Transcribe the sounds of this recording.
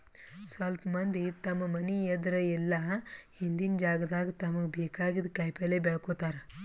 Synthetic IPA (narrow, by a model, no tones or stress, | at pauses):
sɐlpɐmɐnd̪it̪ɐmːɐmɐniɛd̪ɾɐɛlːɐ | ind̪ind͡ʒaːɡɐd̪aːɡit̪ɐmɐɡebeːkaːɡid̪kɐjpeleːbɛɭɐkoːt̪aːɾɐ